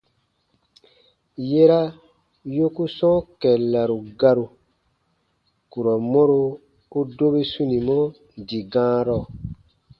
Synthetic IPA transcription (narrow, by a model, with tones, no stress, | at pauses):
je˦ɾa˦ | jo˦ku˦sɔ̃˦kɛ˨la˨ɾu˨ɡa˦ɾu˨ | ku˨ɾɔ˨mɔ̃˦ɾo˦ | u˦do˦be˦sũ˦nĩ˨mɔ̃˦ | di˨ɡãː˦ɾɔ˦˨